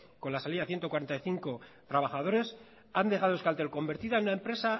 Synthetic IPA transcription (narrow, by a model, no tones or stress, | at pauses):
ko̞nlasaliðaθje̞nt̪okwaɾe̞nt̪aiθiŋko̞ | t̪ɾaβ̞axað̞o̞ɾe̞s | and̪e̞ɣaðoeskalt̪e̞lko̞mbe̞ɾt̪iðaenunaempɾe̞sa